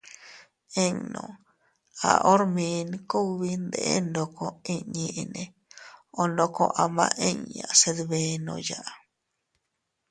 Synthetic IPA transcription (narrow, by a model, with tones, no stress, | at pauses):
e˦ɲnõ̰˨ | a̰˨ʔo˦ɾmĩ˧nku˦˧βi˧nd̪ḛ˨ʔe˦nd̪o˧ko˧i˦ɲĩ˧ʔnẽ˧ | o˧ndo˧ko˧ʔa˧mã˧ʔe˦˧ɲɲːã̰˨se˧d̪βe˧nõ̰˧ja˨ʔ